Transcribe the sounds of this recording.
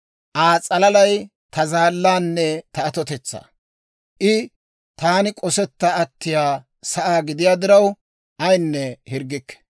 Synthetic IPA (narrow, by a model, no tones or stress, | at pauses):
ʔaːt͡sʼɐlɐlɐj | t̪ɐzaːlːaːnːɛt̪ɐːt̪ɔt̪ɛt͡sːa̰ː | ʔɪ | t̪aːnɪkʼɔsɛt̪ːɐɐt̪ːɪjaː | sɐʔaːɡɪd̪ɪjaːd̪ɪɾɐw | ʔɐjnːɛhɪɾɡːɪkːɛ̥